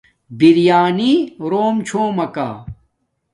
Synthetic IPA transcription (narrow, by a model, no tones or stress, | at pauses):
biɾjaːniɾoːmt͡ɕʰoːmɐka̰ː